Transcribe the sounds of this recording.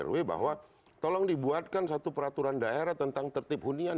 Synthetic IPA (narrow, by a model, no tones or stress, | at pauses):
ə̰rweba̰ɦwa | t̪ɔlɔŋdibuat̪̚kansat̪upəɾat̪uɾandaeɾaht̪ənt̪aŋt̪ərt̪ɪp̚ɦunia